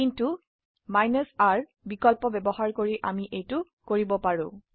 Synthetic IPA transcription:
kintu | majnɔsaɹ | bikɔlpɔbɛbɔhaɹkoɹiʔa̰miʔejtʊ | koɹibɔpaɹʊ̃

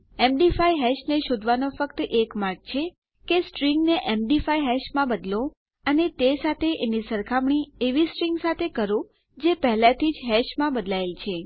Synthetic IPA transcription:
emɖifaiɦɛʃneʃod̪ʱʋanofəkt̪əʔekmaɾɡ̚t͡ʃʰe | kesʈɾiŋɡneʔemɖifaiɦɛʃmãbəd̪lõ | ənet̪esat̪ʰeʔenisəɾkʰamɳieʋisʈɾiŋɡsat̪ʰekəɾõ | d͡ʒepəɦlãt̪ʰid͡ʒɦɛʃmãbəd̪laelt͡ʃʰe

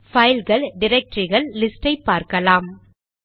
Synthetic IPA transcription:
fɐjlɣɐɭɖɪɾɛk̚ʈɾɪɣɐɭːɪsʈɐɪpːaːɾkɐlaːm

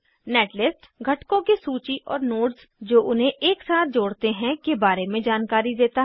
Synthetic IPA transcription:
nɛːʈlɪsʈ | ɡʱɐʈkõkisuːt͡ʃiʔɔːɾnoːɖz | d͡ʒoːʔʊnɦẽʔeːksaːt̪̚ʰd͡ʒoːɽt̪eɦɛ̃kebaːɾemẽd͡ʒaːnkaːɾid̪eːt̪aɦ

